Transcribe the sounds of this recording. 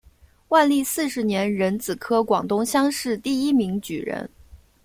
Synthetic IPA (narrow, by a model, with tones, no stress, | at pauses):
wa˥˧nli˥˧sɹ̩˥˩ʂɻ̩˧˥njɛ˧˥nɻə˧˥nt͡sɹ̩˨˩kʰɤ˥kwɑ˨˩ŋt̪ʊ˥ŋɕjɑ˥ŋʂɻ̩˥˧t̪i˥˩i˥mi˧˥ŋt͡ɕy̰˨˩ɻə̰˧˥n